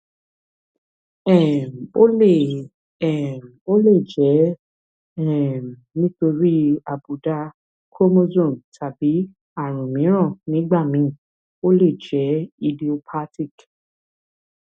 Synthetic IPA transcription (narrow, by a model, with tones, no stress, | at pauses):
ɛ˦˨o˦le˦˨ | ɛ˨mo˦le˦˨d͡ʒɛ˨˦ | ɛ˦˨nĩ˦to˧ɾi˦a˨bu˨da˧ | kʰo˦mo˦zõ˦˨ntʰa˨bi˨˦ | a˦˨ɾ̃ũ˨mĩ˨˦ɾ̃ɔ̃˦˨nĩ˨˦ɡ͡ba˦˨mĩ˨˦˨ | o˦le˦˨d͡ʒɛ˨˦i˧di˧o˧pʰa˦ti˦˨k